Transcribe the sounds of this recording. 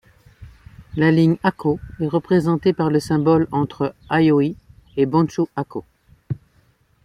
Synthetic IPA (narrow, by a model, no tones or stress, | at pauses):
laliɲakʰoɛʁəpχezɑ̃t̪epaʁləsɛ̃bɔlɑ̃t̪χəajoi | ebɑ̃suako